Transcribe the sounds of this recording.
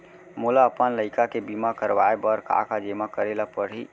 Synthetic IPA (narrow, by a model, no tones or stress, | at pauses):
mulaəpənləɪkakebimakəɾʋaebəɾka̰kad͡ʒemakəɾelapəɾ̤ɦi